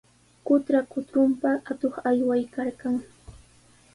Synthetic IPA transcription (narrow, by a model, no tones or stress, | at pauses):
kʊt̪ɾakʊt̪ɾʊmpaat̪oχajwajkaɾkaŋ